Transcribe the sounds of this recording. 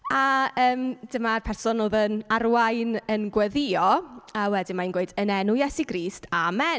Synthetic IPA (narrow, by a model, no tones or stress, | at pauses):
aəːmd̥əmarpʰɛrsɔnoːðənarwajnənɡwɛðɪɔawɛdɪmainɡweɨdənɛnʊjɛsiɡriːstʰamɛ